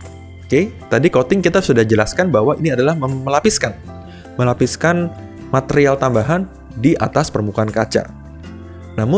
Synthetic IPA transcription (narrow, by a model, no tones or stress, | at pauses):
oket̪adikot̪ɪŋkit̪asudahd͡ʒəlaskanbaɦwainiadalahməəlapiskan | məlapiskan | mat̪eɾialt̪ambaɦan | diʔa̰t̪aspərmukaankat͡ʃa̰ | namʊ